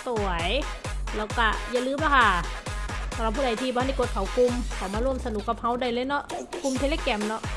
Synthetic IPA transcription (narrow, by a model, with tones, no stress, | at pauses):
t̪u˨˩əj | lɛː˧˥˩wka˧˩ja˧˨lɯː˧˥˦mba˧˥˩kʰa˧˥˩ | sa˨˧˦wla˧˩p̚ʰːuː˧˨a˨˩˨t̪ʰiː˧bɔ˧a˥˨ni˧˩ko˨˦˩t̪̚kʰa˨˦wku˧mkʰa˨˩wmaː˧ɾu˧˩əmsa˧nu˨˦kːa˨˩p̚ha˦˥wda˧˩jlɤː˧˥jnɔ˦˥ʔku˧mt̪ʰe˧leː˧˩kɛ˧˩mnɔ˦˥ʔ